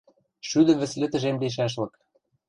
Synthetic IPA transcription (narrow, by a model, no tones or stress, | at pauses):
ʃyd̪ə̆βɘ̆slɘ̆t̪ɘ̆ʒemleʃ̬æʃ̬lɤ̆k